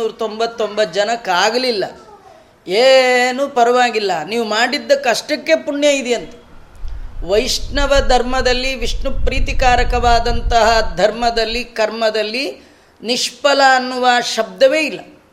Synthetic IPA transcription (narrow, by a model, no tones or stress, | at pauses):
uːɾɐt̪o̞mbɐt̪ːombɐt̪̚ːd͡ʒɐnɐkaːɡɐlilːɐ̰ | eːnupɐɾɐʋaːɡilːɐniːʋumaːɽid̪ːɐkɐʂʈɐkːepuɳjɐid̪ɛjɐnt̪ɐ̥ | ʋɐjʂnɐʋɐd̪ʱɐɾmɐd̪ɐlːiʋiʂɳupɾiːt̪ikaːɾɐkɐʋaːd̪ɐnt̪ɐɦɐd̪ʱɐɾmɐd̪ɐlːikɐɾmɐd̪ɐlːi | niʂpɐlɐːnːuʋaːʃɐb̚d̪ɐʋeilːɐ